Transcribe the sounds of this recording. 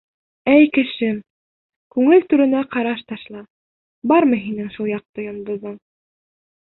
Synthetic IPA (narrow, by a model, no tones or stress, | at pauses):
æjkɘ̆ʃɘm | kʉŋɘlt̪ʉɾɘ̆næqɑɾɑʃt̪ɑʃlˠɑ | bɑɾmɤɦinɘŋʃulˠjɑq̚t̪ɤjɑnd̪ŏðɤɴ